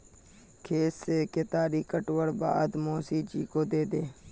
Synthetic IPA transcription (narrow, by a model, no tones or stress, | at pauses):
kʰeːseːkeːt̪aːɾiːkəʈʋəɽba̰ːd̪moːsiːd͡ʒiːkoːd̪eːd̪eː